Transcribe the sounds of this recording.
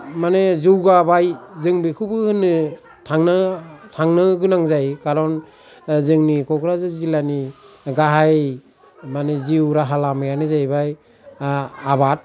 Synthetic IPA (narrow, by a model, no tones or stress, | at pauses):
manezuwɡabajzɯŋbekʰɯbɯhɯnɯ | tʰaŋnɯtʰaŋnɯɡɯnaŋzajkaɾɔn | zɯŋnikʰɔkʰɾazɯzilaniɡaɦaj | maneziwɾaɦalamajanɯzajbaj | abat̚